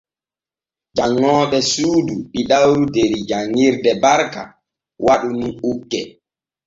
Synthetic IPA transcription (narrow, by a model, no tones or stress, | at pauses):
d͡ʒaŋːɔːɓɛsuːduɗiɗawɾudeɾid͡ʒaŋːiɾdɛbaɾka̰ | waɗuniukːɛ